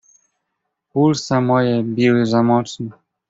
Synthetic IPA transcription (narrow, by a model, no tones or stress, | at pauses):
pulsamɔjɛbʲiwɘzamɔt͡ʂnɛ